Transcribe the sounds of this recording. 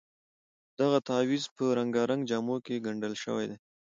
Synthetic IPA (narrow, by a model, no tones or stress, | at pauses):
d̪̥aɣat̪awizpəɾaŋɡɑɾaŋɡd͡ʒɑmokeɡaɳɖəlʃə̰wa̰jd̪e